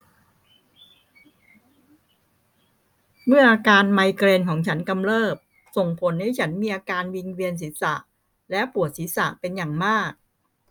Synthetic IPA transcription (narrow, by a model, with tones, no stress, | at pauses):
mɯ˥˩ɐʔaː˧kaː˧nma˧jkɾeː˧nkʰɔː˩˦ŋt͡ɕʰa˦˥nka˧mlɤː˥˩p̚ | so˨˩ŋpʰo˩˦nha˥˩jt͡ɕʰa˦˥nmiː˧ʔaː˧kaː˧nwi˧ŋwi˧əns̬i˩˦sa̰˨˩ʔ | lɛ˦˥pu˨˩ət̪̚siː˩˦˥sa̰˨˩pe˧njaː˨˩ŋmaː˥˩k̚